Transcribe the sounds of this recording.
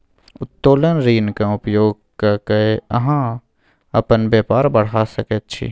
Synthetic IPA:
ʊt̪ːoːlənɾiːnkaʊpjoːɡ̚ | kakɐeɐɦãː | ɐpənbjeːpaːɾbɐɽ̤asɐkət̪̚t͡ʃʰḭ

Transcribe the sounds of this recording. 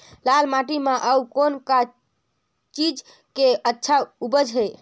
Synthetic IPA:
lalmaʈimeʔəwkonka | t͡ʃid͡ʒ | keətːʃʰaubəd͡ʒɦe

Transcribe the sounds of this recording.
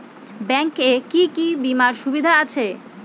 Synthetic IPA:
bɛŋkekikibimaɾʃubid̪ʱaat͡ɕʰe

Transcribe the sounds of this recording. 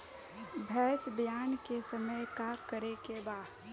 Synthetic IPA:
bʱɛːsbjaːnkesəməjkakəɾekebaːd̪

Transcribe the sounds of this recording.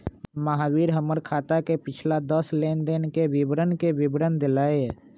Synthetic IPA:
məɦaːwiːɾɦəməɾkʰaːt̪akepɪt͡ʃʰlad̪əsleːnd̪enkebɪbɾənkebɪbɾənd̪ɪlaːeɦɛ

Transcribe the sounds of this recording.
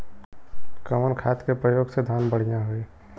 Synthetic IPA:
kəmənkʰaːt̪kepɾəjoːɡsed̪ʱaːnbəɽ̤ijãɦʊiː

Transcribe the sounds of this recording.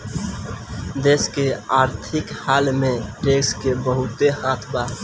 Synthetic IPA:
d̪eːskeaːɾt̪ʰɪkhaːlmẽʈeːkskebəɦʊt̪ehãːt̪ʰbaː

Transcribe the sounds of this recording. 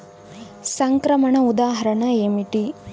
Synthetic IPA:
sɐŋkɾɐmɐɳɐud̪aːɦɐɾɐɳɐeːmiʈi

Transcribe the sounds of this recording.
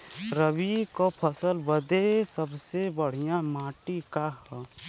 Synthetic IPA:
ɾəbikopʰəsəlbəd̪esəbsebəɽ̤ijãmaːʈikaɦ

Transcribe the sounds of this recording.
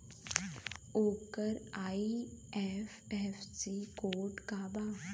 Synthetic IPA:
oːkəɾaːiɛːf | ɛːfsikoːʈkaːbaː

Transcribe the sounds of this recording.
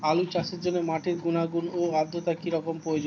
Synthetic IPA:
alut͡ɕaʃeɾd͡ʑonːemaʈeɾɡunaɡunoad̪ʱːot̪akiɾɔkompɾojod͡ʑo

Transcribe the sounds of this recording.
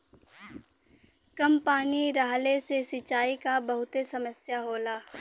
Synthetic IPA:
kɐmpaːniɾaːɦlesesɪt͡ʃaːikabɐɦʊt̪esɐməsjaɦoːlaː

